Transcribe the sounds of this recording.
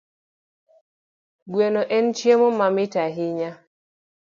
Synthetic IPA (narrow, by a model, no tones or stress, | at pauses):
ɡwenoʔɛnt͡ʃjemomamɪtaɦɪɲa